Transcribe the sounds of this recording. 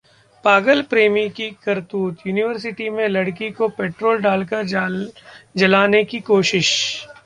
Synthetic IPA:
paːɡəlpɾeːmikikɐɾt̪uːt̪juːnɪʋəɾs̬ɪʈimẽlɐɽkikopeːʈɾoːlɖaːlkəɾ | d͡ʒɐlaːnekikoːʃɪʃ

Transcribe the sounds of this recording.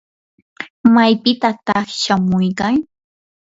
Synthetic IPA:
majpɪt̪at̪ɑχʃamʊjkaŋ

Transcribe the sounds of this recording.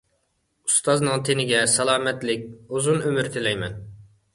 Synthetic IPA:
ust̪ɑznɨŋt̪ʰenɪɡʲɛsɑlˠɑːmɛt̪lɪk̚ʲuzunømyɾt̪ʰɪlɛjmɛn

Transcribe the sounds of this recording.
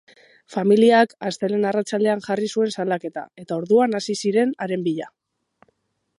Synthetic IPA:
familiakast̪ele̞narat͡sald̪e̞aŋʝarisue̞nsalake̞t̪a̰e̞t̪ao̞ɾðuanasisiɾe̞naɾe̞mbiʎa

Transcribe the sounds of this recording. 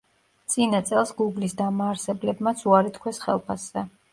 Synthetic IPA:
t̪sʼinat̪sʼɛlˠsɡuɡlisd̪amaːɾsɛblɛbmat̪sʰuaɾit̪kʰwɛsχɛlˠpʰasɛ

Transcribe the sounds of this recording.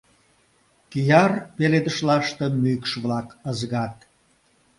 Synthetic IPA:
kijɑrpeled̪əʃlɑʃt̪emykʃβlɑkəzɣɑt̪̚

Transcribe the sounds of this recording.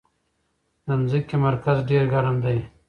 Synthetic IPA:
namzikemaɾkazɖeɾɡaɾand̪aj

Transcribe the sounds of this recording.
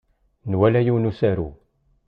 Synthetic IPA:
nwælæjuwnusæɾṵ

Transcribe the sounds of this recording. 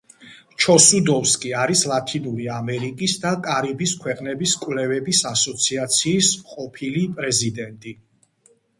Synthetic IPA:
t͡ʃʰɔsud̪ɔfskʼiaɾislˠat̪ʰinuɾiamɛɾikʼisd̪akʼaɾibiskʰwɛqʼnɛbiskʼwvlɛvɛbisasɔt̪sʰiat̪sʰiːsqʼɔpʰilipʼɾɛzid̪ɛnt̪ʼi

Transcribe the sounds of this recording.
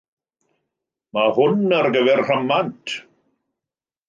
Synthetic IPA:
mahʊnərɡəvɛrr̥əmantʰ

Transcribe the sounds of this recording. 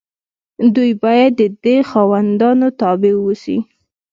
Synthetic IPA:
d̪ujbɑjad̪ːəd̪exɑwand̪ɑnot̪ɑbɪwusḭ

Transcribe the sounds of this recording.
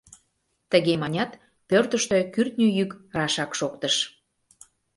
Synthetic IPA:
t̪əɣemɑnʲɑt̪ | pørt̪əʃt̪økyrt̪nʲyjykrɑʃɑkʃok̚t̪əʃ

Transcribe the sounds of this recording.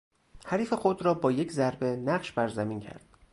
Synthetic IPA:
hæɾiːfe̞xod̪ɾɒːbɒːje̞cʰzæɾbe̞næɢʃbæɾzæmiːncʰæ̰ɾd̪̥

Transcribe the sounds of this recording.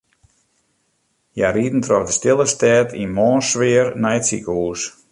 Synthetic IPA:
jaɾiːtn̩trɔfdəstɪlˠəstɛːtʰinmɔːnsʋɪərnɛjəsḭkəuːs

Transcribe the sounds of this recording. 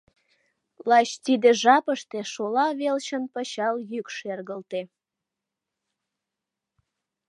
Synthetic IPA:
lɑt͡ɕt̪id̪eʒɑpəʃt̪eʃolɑβelt͡ɕənpəɕɑljykʃerɣəlt̪e

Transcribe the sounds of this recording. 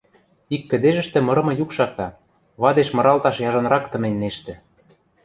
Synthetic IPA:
ikːɘ̆d̪eʒɘ̆ʃt̪ĕmɤ̆ɾɤ̆mɤ̆jukʃɑk̚t̪ɑ | βɑd̪eʃmɤ̆ɾɑlt̪ɑʃjɑʒɤ̆nɾɑkt̪ɤ̆menʲːeʃt̪ɘ̆

